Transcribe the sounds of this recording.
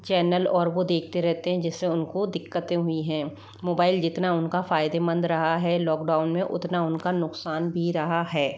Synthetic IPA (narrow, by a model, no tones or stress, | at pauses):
t͡ʃɛːnəlɔːɾʋod̪eːkʰt̪eɾɛɦt̪eɦɛ̃d͡ʒɪsːeʊnkod̪ɪkːət̪ẽɦʊiɦɛ̃ː | moːbaːɪld͡ʒɪt̪naʊnkafaːɪd̪emə̃nd̪ɾɐɦaɦɛlɔːkɖaːʊnmẽʔʊ̰t̪naʊnkanʊqsaːnbʱiɾɐɦaɦɛː